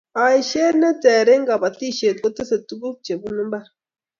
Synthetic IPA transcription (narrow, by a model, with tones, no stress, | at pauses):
a˨i˨ʃe˦ne˦te˨ɾe˦ŋɡa˨ba˨ti˦˨ʃe˨ɡo˦te˦se˨tu˦bu˦b̚t͡ʃe˨bu˦nu˦ba˦ɾ